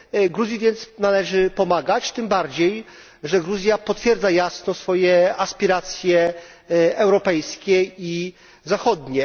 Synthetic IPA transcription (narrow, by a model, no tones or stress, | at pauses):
ɡɾuzʲjivʲjɛnt̪snalɛʐɘpɔmaɡat͡ɕt̪ɘmbaɾd͡ʑej | ʐɛɡɾuzʲjapɔt̪fʲjɛɾd̪zajasnɔsfɔjɛaspʲiɾat̪sʲjɛ | ɛwɾɔpɛjskʲɛi | zaxɔd̪ɲɛ